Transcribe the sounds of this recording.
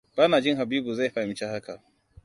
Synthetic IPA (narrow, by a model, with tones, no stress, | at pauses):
b̥aː˦naː˨d͡ʒɪ˦ŋɦa˨biː˦bu˨za˦˨jɸa˨ɪ˨˦t͡ʃe˦ha˦ka˨ʔ